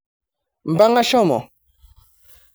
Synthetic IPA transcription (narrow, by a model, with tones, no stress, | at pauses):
m̩˨ba˦ŋa˦ʃɔ˦˨mɔ̰˨